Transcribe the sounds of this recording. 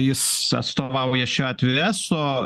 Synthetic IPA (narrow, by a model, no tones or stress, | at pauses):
jɪsɐ̰t̪st̪oːʋɐʊjɛʃʲoːɐt̪ʲʋʲɪɾʲæsoː